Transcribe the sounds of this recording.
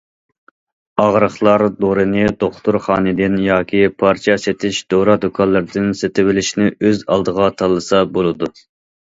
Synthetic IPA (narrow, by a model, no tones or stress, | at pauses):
ɑʁɾəχlˠɑɾd̪oɾɨnɨd̪oχt̪uɾχɑːnɨd̪ɪnjɑːkʲʰipʰɑɾt͡ʃʰɑset̪ʰɪʃd̪̥oɾɑd̪okʰɑlːˠɨɾd̪ɪnset̪ɪwɪlɪʃnɪøzɑ̰lˠd̪əʁɑt̪ʰɑlˠːɨsɑbolˠɨd̪u